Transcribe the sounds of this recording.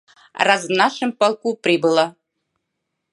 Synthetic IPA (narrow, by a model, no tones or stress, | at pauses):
razmnɑʃɨ̆mpɑlˠkuprʲibɨlˠɑ